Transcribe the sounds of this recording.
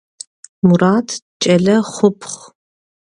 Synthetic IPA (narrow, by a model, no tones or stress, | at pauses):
muraːtʰ | t͡ʃʼɐɮɐχʷʊpʰχ